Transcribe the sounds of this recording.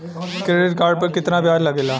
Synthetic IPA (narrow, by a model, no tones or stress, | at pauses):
kɾeːɖɪʈ̚kaːɾɖ̚pəɾkɪt̪nãːbjaːɾləɡeːlaː